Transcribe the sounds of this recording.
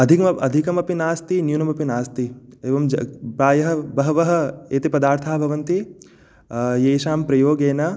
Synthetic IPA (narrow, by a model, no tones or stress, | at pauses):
ɐd̪ʱikɐmɐɐd̪ʱikɐmɐpinaːst̪injunɐmɐpinaːst̪ieːʋɐmd͡ʒɐpɾaːjɐɦɐ̆bɐɦɐʋɐɦɐ̆eːt̪ipɐd̪aːɾt̪ʰaːbʱɐʋɐnt̪i | jeːjʃaːmpɾɐjoːɡeːnɐ